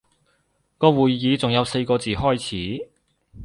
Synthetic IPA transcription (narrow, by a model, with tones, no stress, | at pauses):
kɔː˧wuː˨jːiː˨˧t͡sʊ˨˩ŋjɐ˨˧wse˧jkɔː˧t͡siː˨˩hɔː˥jt͡sʰiː˨˥